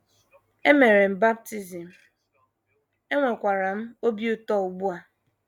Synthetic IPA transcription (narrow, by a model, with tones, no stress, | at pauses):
e˦me˨ɾe˨m̩˨ba˦b̚ti˦zi˨m̩˨ | e˦ŋʷe˨kʷa˨ɾa˨m̩˦o˦bi˦u˦tɔ˦˨u˨ɡ͡bu˦a˨